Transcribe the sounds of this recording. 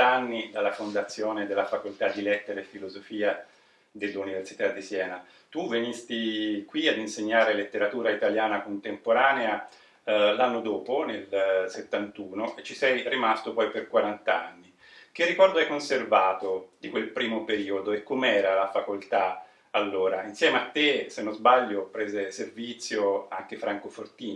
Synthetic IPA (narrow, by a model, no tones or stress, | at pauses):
anːid̪alːafond̪at̪sːjoːned̪elːafakolt̪ad̪ːilɛt̪ːeɾefilozofiːa | d̪elːuniversit̪ad̪ːisjɛːna | t̪uvenist̪ikwiad̪inseɲːaːɾelet̪ːeɾat̪uːɾait̪aljaːnakont̪empoɾaːnea | lanːod̪oːponelset̪ːant̪uːnoʔet͡ʃːisɛjrimast̪opɔjperkwaɾant̪aanːi | k̟ɪrːikɔrd̪oɛjkːonservaːt̪od̪ikwelpɾiːmopeɾiːod̪oekːomɛːɾalafakolt̪a | alːoːɾainsjɛːmeat̪ːesenːozbaʎːopɾɛːzeservit̪sːjoa̰ŋk̟efɾʔaŋkofort̪iːn